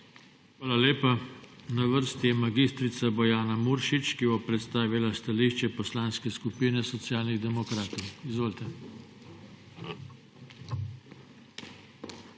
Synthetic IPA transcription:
xʋaːlaleːpanaʋəɾst̪jɛmaɡist̪ɾit̪sabɔjaːnamuɾʃit͡ʃkibɔpɾɛt̪st̪aːʋilast̪aliːʃt͡ʃɛpɔslaːnskɛskupinɛsɔt̪sjaːlniɣd̪ɛmɔkɾaːt̪ɔwizʋoːlt̪ɛ

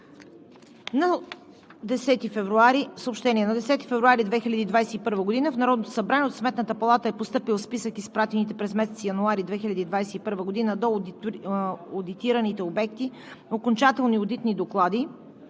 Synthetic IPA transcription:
nɐ | d̪ɛsɛt̪ifɛvɾuaɾisəoːpʃt̪ɛniɛnɐd̪ɛsɛt̪ifɛvɾuaɾid̪vɛxilʲəd̪iːd̪vajsɛipɤɾvəɡod̪inəfnɐɾɔd̪not̪o̥sɐbɾanɛot̪smɛt̪nət̪əpɐlˠat̪əɛpost̪ɤpilˠspisəkispɾat̪init̪ɛpɾɛzmɛsɛt̪sijɐnuaɾid̪vɛxilʲɐd̪id̪vajsɛipɤɾvəɡod̪inəd̪ɔ | od̪it̪iɾənit̪ɛobɛk̚t̪i | okont͡ʃat̪ɛlˠniod̪it̪nid̪oklˠad̪i

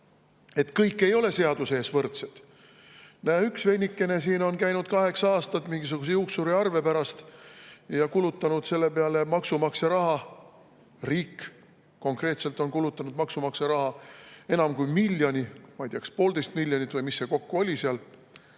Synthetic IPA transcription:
e̞t̪kɤjkːˑe̞jo̞le̞se̞ɑd̪̥useːsvɤrt̪set̪ | næːyksve̞nʲːikːˑe̞ne̞s̬iːno̞nkæjnud̪̥̚kɑɦe̞ksɑɑːst̪ɑt̪miŋɡ̥is̬uɡ̥us̬ejuːksuɾiɑrve̞pæɾɑst̪ | jɑkulut̪ːˑɑnud̪̥se̞lːe̞peɑle̞mɑksumɑkseɾɑɦɑ | riːkː | ko̞ŋkre̞ːt̪selt̪ˑo̞nkulut̪ːˑɑnud̪̥mɑksumɑkseɾɑɦɑe̞nɑmkujmilʲːjonʲimɑjd̪iɑkspo̞ːld̪e̞jst̪milʲjonʲit̪ːˑvɯjmisːe̞ko̞kːuo̞lʲiseɑl

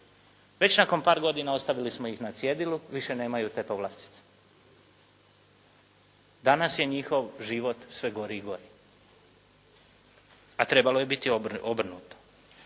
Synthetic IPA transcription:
ʋe̞t͡ɕnako̞npaːɾɡo̞d̪inao̞st̪aʋilismojixnat̪sje̞d̪iluʋiʃe̞ne̞ːmajut̪e̞poʋlast̪i̥t̪se̥ | d̪anasje̞ɲixo̞ʋʒiʋo̞t̪sʋe̞ɡo̞ɾiːɡo̞ɾi | at̪ɾe̞balo̞je̞bit̪iobr̩nuːt̪o̥

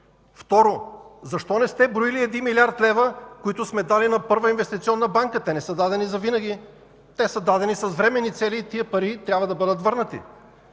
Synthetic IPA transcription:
ft̪ɔɾozɐʃt̪ɔnɛst̪ɛbɾoiliɛd̪inmilʲiaɾt̪lɛvəkoit̪ʊsmɛd̪alinɐpɤɾvəinvɛst̪it̪siɔnːɐbaŋkət̪ɛnɛsəd̪ad̪ɛnizɐvinəɡ̟ʲi | t̪ɛsəd̪ad̪ɛnisɐzvɾɛmɛnːit̪sɛliːt̪iəpɐɾit̪ɾʲabvəd̪ɐbɤd̪ət̪vɤɾnət̪ḭ

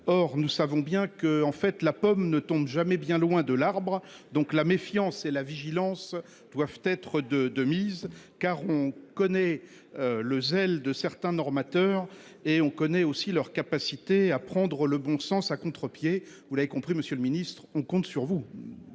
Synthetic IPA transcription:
ɔʁnusavɔ̃bjɛ̃kəɑ̃fɛt̪lapɔmnət̪ɔ̃bʒamɛbjɛ̃lwɛ̃d̪əlaʁbʁd̪ɔ̃klamefjɑ̃selaviʒilɑ̃s | d̪̥wavt̪ɛt̪χəd̪əd̪əmiz | kaʁɔ̃kɔnɛ | øləzɛld̪əsɛʁt̪ɛ̃nɔʁmat̪œːʁ | eɔ̃kɔnɛosilœʁkapasit̪eapχɑ̃d̪ʁələbɔ̃sɑ̃sakɔ̃t̪χəpje | vulavekɔ̃pχiməsjølminist̪χɔ̃kɔ̃t̪syʁvu

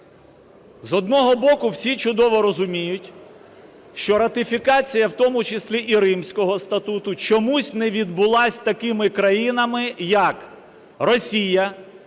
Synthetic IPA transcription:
zɦɔd̪nɔɦɔbɔkʊwsʲit͡ʃʊd̪ɔʋɔɾɔzʊmʲijʊtʲ | ʃt͡ʃɔɾɐt̪ɪfʲikɑt͡sʲijɐwt̪ɔmʊt͡ʃɪsʲlʲiʔiɾɪmsʲkɔɦɔst̪ɐt̪ut̪ʊt͡ʃɔmusʲnɛʋʲid̪̚bʊlˠɑsʲt̪ɐkɪmɪkɾɐjinɐmɪjɐk | rɔsʲijɐ

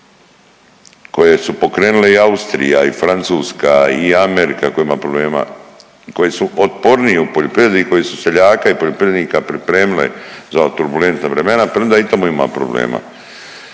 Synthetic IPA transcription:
ko̞jesupo̞kɾeːnuleiaust̪ɾḭjaifɾant̪suːskaiameɾikako̞jaimapɾobleːma̰ | ko̞jisuo̞t̪po̞ɾniupoʎopɾivjed̪iko̞jisuse̞ʎaːkaipoʎo̞pɾied̪niːkapɾipɾe̞ːmilḛzat̪uɾbule̞nt̪navɾeme̞napɾeond̪ait̪amuima̰pɾo̰blḛːma̰

